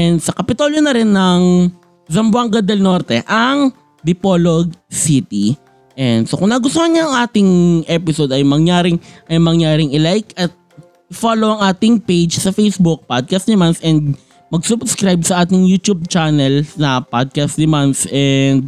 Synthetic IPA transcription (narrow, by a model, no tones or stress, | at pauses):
ʔɛnd̪sɐkɐpɪt̪oljonɐɾɪnːɐŋ | zɐmbʊaŋɡɐd̪ɛlno̞ːɾt̪ɛʔɐŋ | d̪ɪpoloɡ̚sit̪i | ʔɛnd̪sokʊŋnɐɡʊst̪ohɐɲɐɐŋʔaːt̪ɪŋʔɛpɪsod̪ɐjmɐŋjaːɾɪŋʔɐjmɐŋjaːɾɪŋɪlajkɐt̪̚ | ɪfoːlowʔɐŋʔaːt̪ɪŋpejd͡ʒsɐfejsbʊk̚pad̪̚kɐst̪nɐmansʔɛnd̪̚ | mɐɡsʊbskɾajb̚sɐʔaːt̪ɪŋjut̪jub̚t͡ʃanɛlsɐpad̪̚kɐst̪̚nɐmansʔɛnd̪̚